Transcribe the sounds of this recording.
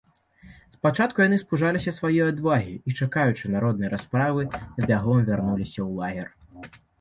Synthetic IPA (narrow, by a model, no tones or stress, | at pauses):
spat͡ʂat̪̚kujanɨspuʐalʲisʲɐsvajɔjad̪vaɣʲiit͡ʂakajut͡ʂɨnaɾɔd̪̚nɐjɾaspɾavɨbʲaɣɔmvʲarnulʲisʲɐwlˠaɣʲɛr